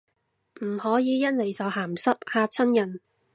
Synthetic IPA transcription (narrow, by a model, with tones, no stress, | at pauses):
m̩˨˩hɔː˨˥jiː˨˧jɐ˥n̚le˨˩jsɐ˨˧wɦaː˨˩msɐ˥p̚haː˧t͡sʰɐ˥njɐ˨˩n